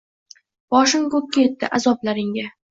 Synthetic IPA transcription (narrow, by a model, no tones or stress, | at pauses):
b̥ɒʃɪŋkɵk̚ʲkːʲajet̪ːɪʔazɒblaɾɪŋɡʲa